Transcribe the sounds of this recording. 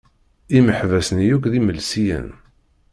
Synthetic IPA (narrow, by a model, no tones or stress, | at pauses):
iməħvæsnjukðiməlsijə̰n